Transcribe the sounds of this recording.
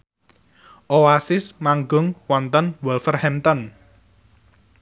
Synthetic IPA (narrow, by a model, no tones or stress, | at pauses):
ʔoasɪsmaŋɡʊŋwɔnt̪ənwɔlfərhɛmt̪ɔn